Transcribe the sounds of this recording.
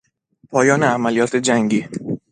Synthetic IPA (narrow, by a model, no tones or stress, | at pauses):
pʰɒːjɒːneæmælijɒːt̪ʰe̞d͡ʒæŋɟiː